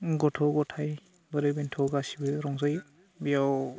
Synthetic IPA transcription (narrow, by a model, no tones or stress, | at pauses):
ɡɔtʰɔɡɔtʰaj | baɾɯbintʰɔɡasibɯɾɔŋzaj | bijaw